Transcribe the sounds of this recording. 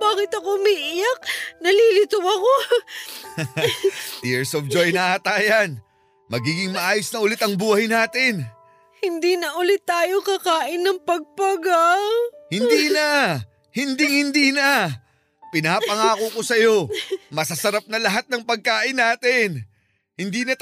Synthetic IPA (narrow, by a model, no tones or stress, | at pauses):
baːkɪt̪ɐkomiʔɪjɐk̚nɐliːlɪt̪ʊwɐko | t̪ɪɹsovd͡ʒojnɐʔat̪aːjɐn | mɐɡiːɡɪŋmɐʔaːjosnɐʔʊlɪt̪ɐŋbuːhɐjnaːt̪ɪn | hɪnd̪iːnɐʔʊlɪt̪ːaːjokɐkaːʔɪnːɐŋpɐɡ̚pɐɡawhɪniːnɐ | hɪnd̪ɪŋhɪnd̪iːnɐ | pɪnaːpɐŋaːkoko̞sɐjo̞mɐsɐsɐɾap̚nɐlɐɦat̪̚nɐŋpɐɡ̚kaːʔɪnːaːt̪ɪn | hɪnd̪iːnɐ